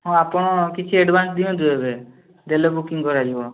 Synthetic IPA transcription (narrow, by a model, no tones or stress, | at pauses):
ɦɔ̃apɔɽ̃ɔkit͡ʃʰieɖbʱansd̪iɔ̃d̪uebe | d̪elebukiŋkɔɾad͡ʒibɔ